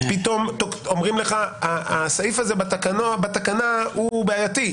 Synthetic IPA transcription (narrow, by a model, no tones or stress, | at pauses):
pit̪o̞mt̪oomʁimleχaaasaifazebat̪akanobat̪akanahubeajat̪i